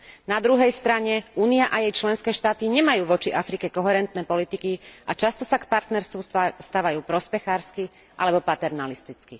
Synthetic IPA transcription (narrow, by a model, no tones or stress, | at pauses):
nad̪ɾuɦɛjst̪ɾaɲɛuːniaʔajɛjt͡ʃlɛnskɛːʃt̪aːt̪iɲɛmajuːʋɔt͡ʃiʔafɾikɛkɔɦɛɾɛnt̪nɛːpɔlit̪ikiʔat͡ʃast̪ɔsakpaɾt̪nɛɾst̪ʋust̪aːʋajuːpɾɔspɛxaːɾski | ʔa̰lɛbɔpat̪ɛɾnalist̪it͡ski